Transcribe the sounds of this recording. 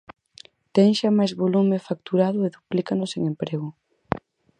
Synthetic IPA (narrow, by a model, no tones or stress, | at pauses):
t̪ɛŋʃamajzβolumɪfak̚t̪uɾaðʊeðuplikanʊseŋempɾeɣʊ